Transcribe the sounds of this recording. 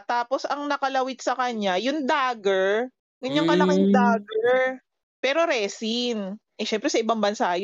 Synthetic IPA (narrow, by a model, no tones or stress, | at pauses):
t̪aːposɐŋnɐkɐlɐwɪt̪̚sɐkɐɲajʊŋd̪aːɡɛɹ | ɡɐɲːaŋkɐlɐkɪŋd̪aːɡɛɹ | pɛːɾo̞ɾɛsinʔɛʃɛmpɾɛsɐʔɪbɐŋbɐnsaɐj